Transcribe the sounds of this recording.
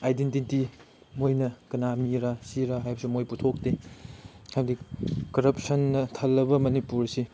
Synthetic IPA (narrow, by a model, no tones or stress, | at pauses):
ajdentiti | mojnɐkɐnamiɾɐsiɾɐɦajbɐsimojputʰok̚te | hajbɐdikɐɾɐp̚sɐnːɐtʰɐlːɐbɐmɐnipuɾsi